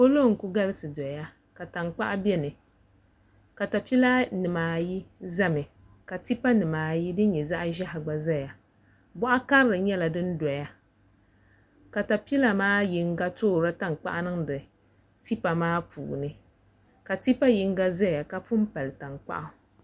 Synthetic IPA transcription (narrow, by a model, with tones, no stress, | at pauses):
ko˦lo˦˨ŋ̩˨ku˦ɡa˦lɨ˦sɨ˨dɔ˨ja˦ | ka˨ta˨ŋk͡pa˦ʔa˦bɛ˦nɨ˨ | ka˨ta˨pi˦la˦nɨ˨maː˨ji˦za˦mɨ˨ | ka˨ti˦pa˦nɨ˨maː˨ji˦dɨ˦n˦ɲɛ˨za˦ʔa˦ʒa˦ha˨ɡ͡ba˨za˦ja˨ | bɔ˦ʔa˦ka˦ɾɾɨ˨ɲɛ˦la˨dɨ˦n˦dɔ˨ja˦ | ka˨ta˨pi˦la˨maː˦ji˦ŋɡa˦toː˦˨ɾa˦ta˦˨ŋ˨k͡pa̰˦ʔa˦nɨ˦ŋdɨ˨ | ti˦pa˨maː˦pʰṵː˨nɨ˦ | ka˨ti˦pa˦ji˦ŋ˦ɡa˦za˦ja˨ka˦pu˦m˦pa˨lɨ˨ta˨ŋk͡pa̰˦ʔa˦